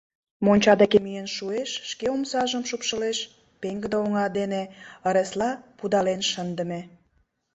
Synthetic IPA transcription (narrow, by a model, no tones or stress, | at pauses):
monʲt͡ɕɑd̪ekemyjenʃueʃːkeomsɑʒəmʃupʃəleʃ | peŋɡəd̪əoŋɑd̪eneəɾeslɑpud̪ɑlenʃənd̪ə̆me